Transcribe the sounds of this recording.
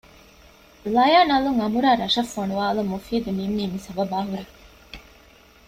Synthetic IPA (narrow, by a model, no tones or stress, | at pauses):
lɐjaːnɐluŋɐmuɾaːɾɐʃɐfːɐnuʋaːlumːufiːd̪unimːiːmisɐbɐbaːɦuɾe